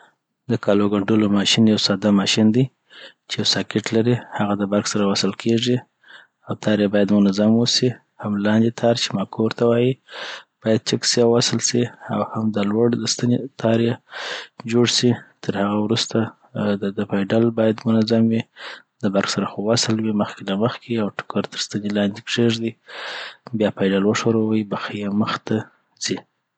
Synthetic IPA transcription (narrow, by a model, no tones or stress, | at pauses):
d̪əkɑloɡaɳɖolomɑʃinjawsɑd̪amɑʃind̪i | t͡ʃejawsɑkɪʈlaɾihaɣad̪əbaɾxsaɾawasəlkʰeʐi | awt̪ʰɑɾjabɑjad̪mʊnazamwəsi | hamlɑnd̪it̪ʰɑɾt͡ʃe̥mɑkʰoɾt̪awɑjib̥ɑjad̪̚t͡ʃɪksiawasəlsiawhamd̪alwaɽd̪əst̪anet̪ʰɑɾja | d͡ʒoɽsit̪ʰəɾhaɣawɾust̪a | d̪d̪əpajɖalbɑjad̪mʊnazamwi | d̪əbaɾxsaɾaxowasəlwiməxkelaməxkeawʈʊ̥kaɾt̪əɾst̪ənelɑnd̪ekʂeʐd̪i | bjɑpajɖalwəʂoɾawaibaxejeməxt̪a | zi